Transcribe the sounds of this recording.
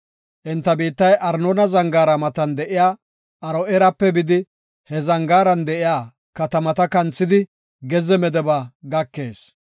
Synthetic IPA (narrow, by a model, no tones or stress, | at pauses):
ʔɪnt̪ːɐbiːt̪ːɐjʔɐɾnonɐzɐŋɡaːɾɐmɐt̪ɐnd̪ɛʔɪjaː | ʔɐɾɔʔɛɾɐpːɛbɪd̪ɪ | hɛzɐŋɡaːɾɐnd̪ɛʔɪjaː | kɐt̪ɐmɐt̪ɐkɐnt͡sːɪd̪ɪ | ɡɛzɛmɛd̪ɛbaːɡɐkːe̞ːs